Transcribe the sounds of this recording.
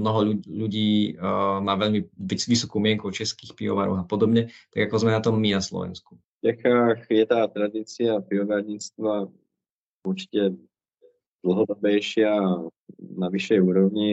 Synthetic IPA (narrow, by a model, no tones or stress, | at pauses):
mnɔɦɔuʎuɟiː | maːʋɛʎmiisʋisɔkuːmɪɛŋkut͡ʃɛskiːxpiɔ̰ʋaɾɔ̰xapɔd̪ɔbɲɛt̪a̰ɡakɔzmɛnat̪ɔmːinaslɔ̰ʋɛ̰nsku̥ | ft͡ʃɛxaːxjɛt̪aːt̪ɾad̪it͡siapiɔʋaɾɲit͡st̪ʋa | uɾt͡ʃi̥cɛ | d̪l̩ɦɔd̪ɔbɛjʃɪa | naʋiʃɛjuːɾɔvɲi